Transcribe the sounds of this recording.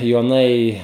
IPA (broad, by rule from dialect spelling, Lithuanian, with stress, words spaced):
joːˈnɐɪ